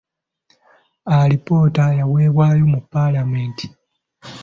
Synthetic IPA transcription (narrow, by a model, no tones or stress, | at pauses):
alipo̞tajawe̞ːβwaːjo̞mupːalameːnti̥